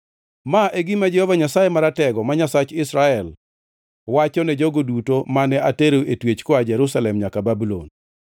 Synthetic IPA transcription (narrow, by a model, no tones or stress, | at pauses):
maʔeɡɪmad͡ʒɛhovaɲasajemaɾatɛɡɔmaɲasat͡ʃɪsɾaɛl | wat͡ʃɔnɛd͡ʒoɡodutomanɛateɾoʔetwet͡ʃkoad͡ʒɛɾusalɛmɲakababulo̰n